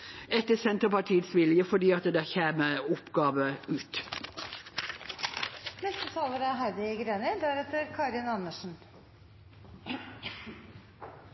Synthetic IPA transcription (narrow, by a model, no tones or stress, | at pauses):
ɛt̪ːəsɛnt̪əpɑʈʰiːət̪sʋɪljəfɔɖiːɑt̪d̪æːçeːməʊpɡɑːʋəʉːt̪ | nɛst̪ət̪ʰɑːləɾæɦæɾd̪ɪɡɾeːnɪd̪æɾɛt̪əɾkʰɑɾɪnɑnəʂn̩